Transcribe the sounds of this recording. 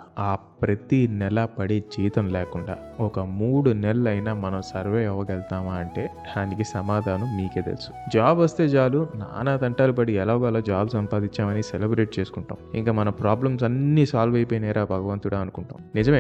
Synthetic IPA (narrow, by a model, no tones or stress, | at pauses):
aː | pɾɐt̪inɛlɐpɐɽed͡ʒiːt̪ɐmlɛːkuɳɖa̰ːɔkɐmuːɽunɛlɐlɐjnaːmɐnɐmsɐɾʋeːɛʋːɐɡɛlt̪aːmaːɐɳʈe̞ː | d̪aːnikisɐmaːd̪ʱaːnɐmmiːkeːd̪ḛlsu̥d͡ʒaːbʋɐst̪e̞ːd͡ʒaːluna̰ːnaːt̪ɐɳʈaːlup̬ɐɽiɛlaːʋɡaːlaːd͡ʒaːbsɐmpaːd̪iɲt͡ʃːaːmɐniselebɾe̞ːʈ̚t͡ʃeːsu̥kuɳʈa̰ːmḭŋkaːmɐnɐmpɾaːblɐmsɐnːisaːlʋɐjpeːnɛːɾaːbʱɐɡɐʋɐnt̪uɽaːɐnukuɳʈa̰ːmnid͡ʒɐmeː